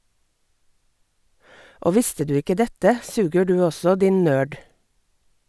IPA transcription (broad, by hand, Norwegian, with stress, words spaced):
ˈoː ˈʋɪstə ˈdʉː ˈɪkə ˈdɛtə ˈsʉːɡə ˈɖʉː ˈɔsɔ ˈdɪn ˈnøːɖ